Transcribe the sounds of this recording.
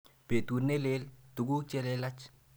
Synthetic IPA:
pe˨tu˨ɾne˦le˦ltu˨ɡu˦t͡ʃɛ˦lɛ˦la˦t͡ʃ

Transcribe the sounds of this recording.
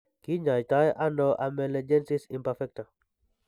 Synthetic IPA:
ki˦ɲa˨jta˦jʔa˦nɔ˦ʔa˨mɛ˨lɛ˨d͡ʒɛ˦nsɪ˦si˨mpafɛ˦k̚ta˨

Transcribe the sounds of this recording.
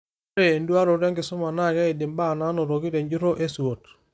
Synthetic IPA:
ɾe˨ndu˦a˦ɾo˨ɾa˦ŋɡɪ˨sʊ˦ma˨na˦˨kɛ˦i˨dɪ˨mba˦˨na˦no˨ɾo˨ki˦te˨ɲd͡ʒu˦ɾo˦ʔe˦su˨o˨t

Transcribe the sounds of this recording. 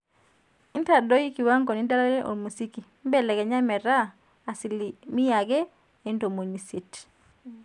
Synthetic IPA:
i˦nta˨dɔ˦ji˦ki˨wa˦ŋko˨ni˦da˦la˦ɾɛ˦ʔo̰˨mu˨si˦ki˨m˦bɛ˦˨lɛ˨ɡɛ˨ɲa˦mɛ˨ɾaː˦˨ | si˨li˨mi˦ja˨ɡɛ˦ | e˨˦nto˨mo˨ɲi˨se˨t

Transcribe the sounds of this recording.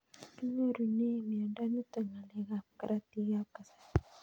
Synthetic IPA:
u˦mu˦ɾu˨ni˦˨mi˨a˨nda˦nu˦ta˨ŋa˨le˨ɣa˨ka˨ɾa˦ti˦ɣa˦ka˨sa˨

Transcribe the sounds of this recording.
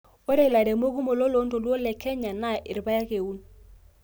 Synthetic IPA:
wo˦ɾe˦˨la˨ɾe˨mo˦ku˦mo˨lo˦lo˦n˦to˨lwo˦lɛ˨kɛ˦ɲa˨na˦˨ʔɪ˨ɾba˦ja˦ke˨u˦n

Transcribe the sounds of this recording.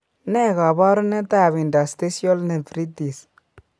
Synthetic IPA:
nɛ˦˨ka˨ba˦ɾne˦t̪a˦˨βi˨nda˨st̪e˦sjɔ˦lne˨tɾi˦ti˨s

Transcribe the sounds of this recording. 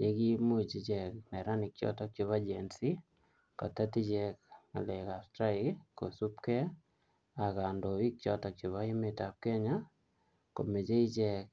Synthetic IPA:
ɲe˦ki˦mu˦˨t͡ʃi˦t͡ʃɛ˨knɛ˨ɾa˦nɪ˨k̚t͡ʃɔ̰˦tɔ˦k̚t͡ʃo˧βa˦d͡ʒɛnsi˦ | kɔ̰˨ta˦ti˦t͡ʃɛ˦k̚na̰˨le˨ka˨stɾa˦ɪkko̰˨su˦pkɛ˦ | a˨ka˨ndo˨wi˦k̚t͡ʃɔ˦tɔ˨k̚t͡ʃo˨βa˦i˦meta˨p̚kɛ˦ɲa˦ | ko̰˨me˨t͡ʃe˦i˦t͡ʃɛ˦k̚

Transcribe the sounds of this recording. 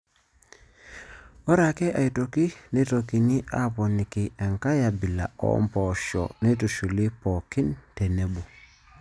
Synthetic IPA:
o˦ɾa˨ke˦ʔa˨i˨to˨ki˦ne˦to˨ki˨ni˦ʔa˨po˨ni˨ki˨e˨ŋka˦ja˨bi˨la̰˨o̰˦mpo˨ʃo̰˨ne˦tu˨ʃu˨li˦po˨ki˦nte˨ne˨bu˨

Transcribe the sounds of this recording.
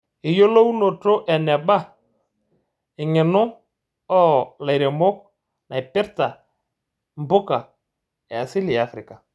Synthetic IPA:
ɪ˨jo˦lo˦u˦no˨to˦ʔɛ˨nɛ˨ɓa˦˨ | ɪ˨ŋɪ˨nʊ˦ | ɔ˦la˨jɾe˨mo˦k | na˨ɪ˨pɛ˦ɾta˨ | mbʊ˦ka˨ | a˨sɪ˦lɪ˨a˨fɾɪ˨ka˨

